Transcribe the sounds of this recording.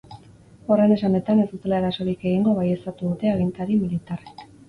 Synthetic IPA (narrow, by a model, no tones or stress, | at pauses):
o̞ɾejne̞sane̞t̪ane̞sd̪ut̪e̞lae̞ɾaso̞ɾike̞ɣ̞iŋɡo̞βajest̪at̪uðut̪e̞aɣ̞int̪aɾimilit̪arek